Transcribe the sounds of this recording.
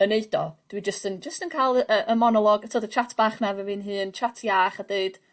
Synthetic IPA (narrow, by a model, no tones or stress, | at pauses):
əneɨdɔd̥wid͡ʒəstənd͡ʒəstənkʰajlˠəʔəʔəmɔnɔlˠɔɡatʰoːdət͡ʃʰatʰb̥aːχmɛvɛvɨːnɦɨːnt͡ʃʰatʰjaːχadeɨd̥